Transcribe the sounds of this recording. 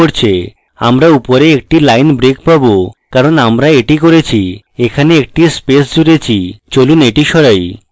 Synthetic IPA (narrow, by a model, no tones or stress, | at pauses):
oɾt͡ɕʰe | a̰mɾaupoɾeek̚ʈilajnbɾekpabokaɾonamɾaeʈikoɾet͡ɕʰi | ekʰaneek̚ʈispesd͡ʑuɾet͡ɕʰit͡ɕoluneʈiʃɔɾaj